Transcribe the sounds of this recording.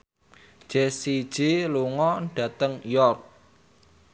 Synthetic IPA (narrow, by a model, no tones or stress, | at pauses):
ʒ̥esi̥ʒ̥eluŋɔnɖ̥a̤t̪əŋjɔrk̚